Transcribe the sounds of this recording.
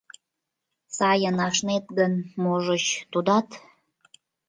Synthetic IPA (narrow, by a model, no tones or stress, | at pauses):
sɑjənɑʃnet̪ɣənmoʒət͡ɕt̪ud̪ɑt̪